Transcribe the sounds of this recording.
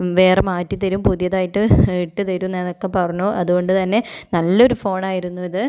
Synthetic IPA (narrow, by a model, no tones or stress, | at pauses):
ʋe̞ːremaːtːit̪ɐɾumpuðjɐðaːjiʈːɨiʈːɨt̪ɐɾunːeno̞kːe̞pɐrɐɲːoːʔɐðuɣko̞ɳɖɨt̪ɐnːe̞nɐlːo̞ɾufo̞ːɳaːjiɾunːuʋiðɨ